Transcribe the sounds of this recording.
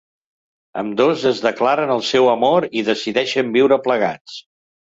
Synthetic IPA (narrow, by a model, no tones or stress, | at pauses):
ə̰md̪ozəzðəklaɾənəlˠsɛwəmoɾiðəsiðɛʃəmbiwɾəpləɣ̞at͡s